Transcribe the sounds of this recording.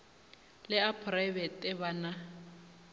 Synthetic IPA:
lɪapʰrajbɛtɪbana

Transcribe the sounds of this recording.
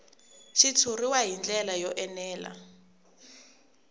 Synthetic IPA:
ʃit͡sʰuriwaɦind͡ɮɛlajɔʔɛnɛːla̰

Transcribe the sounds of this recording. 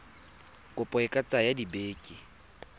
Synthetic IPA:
kʼʊpʼɔɛkʼat͡sʼajadibeːkʼi

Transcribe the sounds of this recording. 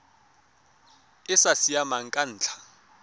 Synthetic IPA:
ɪsasijamaŋ̩kʼan̩ːt͡ɬʰḁ

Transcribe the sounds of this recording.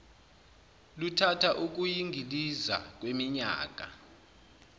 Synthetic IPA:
lutʰatʰaʔuk̬ujiŋɡʱiliza̰k̬wemiɲa̰ːk̬ʼa̰

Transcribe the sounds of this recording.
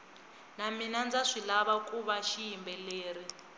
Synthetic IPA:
naminand͡zaʂilaβakʼuβaʃijimbɛleːɾi

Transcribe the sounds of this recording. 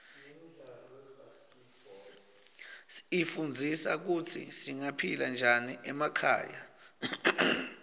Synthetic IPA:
ifund͡zʱisak̬utʰḭsiŋapʰiland͡ʒʱaniʔɛmakʰa̰ːja

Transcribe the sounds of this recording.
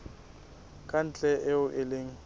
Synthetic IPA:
kʼan̩t͡ɬʼɛʔɪʊʔɪleŋ̩

